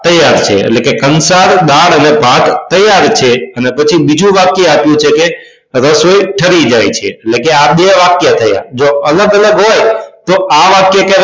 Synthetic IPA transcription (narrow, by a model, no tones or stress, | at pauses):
t̪əjːaɾt͡ʃʰḛːʈlekekənsaɾɗ̪aɽənebʱaɡt̪əjaɾt͡ʃʰeənepət͡ʃʰibid͡ʒʱũʋakjeapjũt͡ʃʰeke | ɾəsojʈʰəɾid͡ʒajt͡ʃʰeːlekeaɓeʋakjat̪ʰəja̰d͡ʒoələɡələɡɦojt̪oaʋakjake